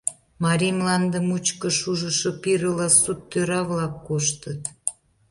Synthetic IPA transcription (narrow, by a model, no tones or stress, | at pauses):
mɑɾimlɑnd̪əmut͡ɕkəʃuʒəʃopiɾəlɑsut̪ːøɾɑβlɑkːoʃt̪ət̪